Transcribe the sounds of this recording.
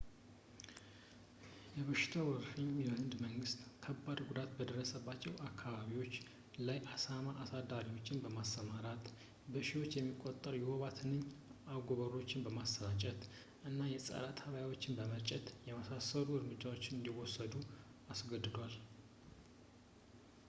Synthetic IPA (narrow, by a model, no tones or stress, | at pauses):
jɛβəʃɪ̥t̪ʰawɔɾfɨɲjɛhɨnd̪məŋɡɨst̪kʰəbːad̪ɡud̪at̪bəd̪ərːəsəbːat͡ʃːɛwakʰːaβaβiwo̞t͡ʃː | lajʔasamaʔːsad̪aɾiwo̞t͡ʃːɪnbəmasːəmaɾat̪ | bəʃiwo̞t͡ʃːjɛmːikʼːot̪ʼːəɾjɛwoβat̪ʰɨnːɨɲːaɡoβəɾo̞t͡ʃːɪnbəmast̪əɾat͡ʃʼət̪ | ʔɨnːajɛsʼə̰ɾat̪ʰəβjawo̞t͡ʃːɪnbəmət͡ʃʼːɛt̪jɛmasasəɾuɨɾmɨd͡ʒːawo̞t͡ʃːɪnɨnd̪iwɔsːəd̪u | asɡəd̪ɨd̪wal